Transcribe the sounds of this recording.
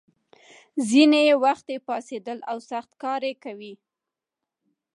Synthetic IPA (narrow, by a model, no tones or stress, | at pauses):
zinejewaxt̪epɑsed̪əlawsaxt̪kɑɾekawi